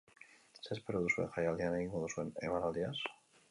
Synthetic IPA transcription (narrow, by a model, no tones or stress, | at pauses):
sespeɾoðuswḛxajald̪ianaiŋɡoðuswenḛmaɾald̪ias